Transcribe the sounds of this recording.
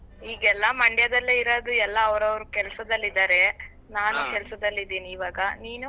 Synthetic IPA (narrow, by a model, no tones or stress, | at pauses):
iːɡɛlːɐmɐɳɖjɐd̪ɐlːeiɾɐːd̪uɛlːɐːʋɾɐʋɐɾukɛlɐsɐd̪ɐlːid̪aːɾe̞ | naːnukɛlɐsɐd̪ɐlːid̪iːniːʋaːɡɐniːnu